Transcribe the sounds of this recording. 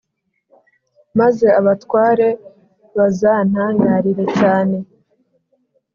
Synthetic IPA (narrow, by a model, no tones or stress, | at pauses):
maze̞aβatwaːɾe̞ | βazaːn̥haːɲaːɾiɾe̞caːne̞